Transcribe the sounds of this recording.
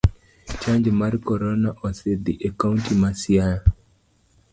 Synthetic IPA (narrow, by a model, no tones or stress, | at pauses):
t͡ʃaɲd͡ʒmarkɔɾɔnaʔɔsed̪iʔakaʊntimasjaja